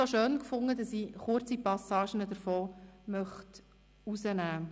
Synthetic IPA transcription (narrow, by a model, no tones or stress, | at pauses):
oʃøːnkfʊŋːədɑsiχʊɾt͡sipɑsɑːʃənədəɾfɔːmœχt | usənæː